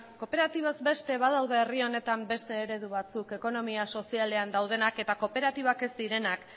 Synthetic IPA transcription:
ko̞pe̞ɾat̪iβozbe̞st̪e̞βað̞awðeːrio̞ne̞t̪ambe̞st̪e̞ːɾe̞ðuβ̞at͡suke̞ko̞no̞miaso̞siale̞and̪awðe̞nake̞t̪ako̞pe̞ɾat̪iβake̞sd̪iɾe̞nak

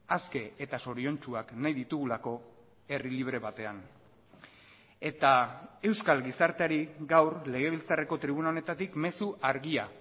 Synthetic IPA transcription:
aske̞et̪aso̞ɾio̞nt͡ʃuaknajðit̪uɣ̞ulako̞ | e̞riliβ̞ɾe̞βat̪e̞an | e̞t̪ae̞wskalɣisaɾt̪eaɾiɡawɾle̞ɣ̞e̞β̞ilt͡sare̞ko̞t̪ɾiβ̞unaone̞t̪at̪ikme̞suʔaɾɣia

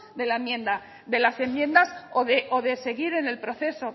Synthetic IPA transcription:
d̪e̞laemjẽ̞nd̪a | ðe̞lase̞mːjẽ̞nd̪asoðeʔoðe̞se̞ɣiɾe̞ne̞lpɾo̞θe̞so̞

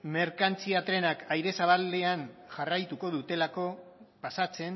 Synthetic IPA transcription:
me̞ɾkant͡siat̪ɾe̞nakajɾe̞saβ̞ald̪e̞anʝarajt̪uko̞ðut̪e̞lako̞pasat͡se̞n

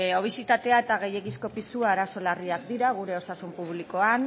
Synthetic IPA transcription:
o̞β̞isit̪at̪e̞aet̪aɣ̞e̞je̞kisko̞pisuaːɾaso̞lariak̚d̪iɾaɣ̞uɾe̞o̞sasumpuβliko̞an

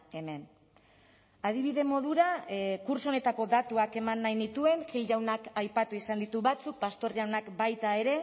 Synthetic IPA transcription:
e̞me̞n | aðiβ̞iðe̞mo̞ð̞uɾakuɾsone̞t̪ako̞ðat̪uake̞manːajnit̪ue̞nxilʝawnakajpat̪uisand̪it̪uβat͡suk̚past̪o̞ɾjawnakbajt̪ae̞ɾe̞

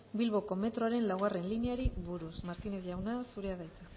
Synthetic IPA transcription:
bilβo̞ko̞me̞t̪ɾo̞aɾe̞nlawɣare̞nlineaɾiβuɾusmaɾkine̞sʝawnasuɾeaðajt͡sa

